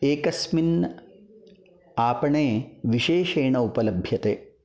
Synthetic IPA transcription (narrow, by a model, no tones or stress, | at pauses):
eːkɐsmin | aːpɐɳeːʋiʃeːʃeːɳɐupɐlɐbʱjɐt̪eː